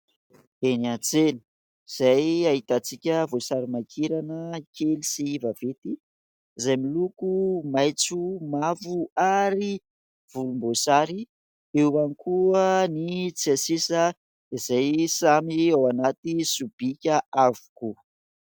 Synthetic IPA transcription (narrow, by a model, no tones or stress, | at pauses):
eniant͡seni̥ | z̥ajaɦit̪at͡sikʲəvosaɾimakʰiɾanəkelisiivavet̪i | izajmilukumajt͡sumavuaɾi | v̥ulumbosaɾi | ewanikʰuənit͡siasisə | izajsamiawanat̪isub̥ikʲəavu̥ku